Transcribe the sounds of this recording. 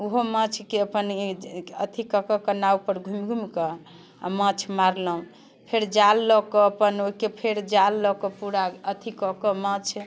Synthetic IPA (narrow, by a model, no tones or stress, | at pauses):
uɦomə̃t͡ʃʰkeəpənət̪ʰikəkɔkənaupəɾɡʱumɡʱumkɔ | a̰mə̃t͡ʃʰmaɾləũ | pʰeɾd͡ʒalːɔkɔəpənoikepʰeɾd͡ʒalːɔkɔpuɾaət̪ʰikɔkɔmə̃t͡ʃʰ